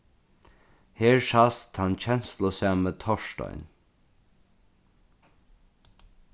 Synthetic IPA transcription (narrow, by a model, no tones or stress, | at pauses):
heːɹʃast̪hant͡ɕʰɛnslɔsaːmət̪ʰɔʃtɔ̰ʏn